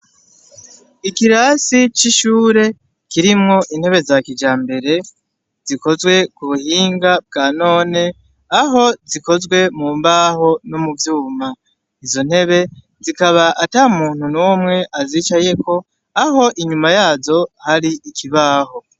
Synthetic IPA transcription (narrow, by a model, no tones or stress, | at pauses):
ikiɾasit͡ʃiʃuːɾe̞ | kiɾimŋo̞ʔin̥he̞βe̞zakid͡ʒaːmbe̞ɾe̞ | z̥iko̞zwe̞kuβuhiːŋɡab̚ɡaːno̞ːne̞ | aɦo̞ziko̞zɡwe̞muːmbaːho̞nomuvjuːma | izo̞n̥he̞βe̞ | zikaβaʔataːumuːn̥hunuwomŋe̞ʔaziːt͡ʃaje̞ko̞ | aɦo̞ʔiɲumajaːzo̞haɾiʔikʰiβaːho̞